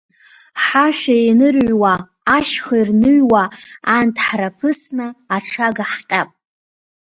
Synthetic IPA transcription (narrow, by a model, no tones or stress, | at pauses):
ħaʃʷᶣainɨrɥwaː | ʃχairnɨɥwaantʰħrapʰɨsnɨaʈ͡ʂʰaɡaħtʼapʼ